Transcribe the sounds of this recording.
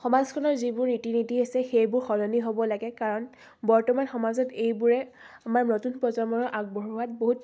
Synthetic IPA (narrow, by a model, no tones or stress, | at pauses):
xɔmazkʰɔnɔɹzibʊɹnitinitiɦesɛxejbʊɹxɔlɔniɦobɔlaɡɛkaɹɔn | bɔɹtɔmanxɔmazɔtejbʊɹɛ | amaɹnotunpɹɔzɔɹmɔɹʔaɡ̚bɔɹuwat̚boɦut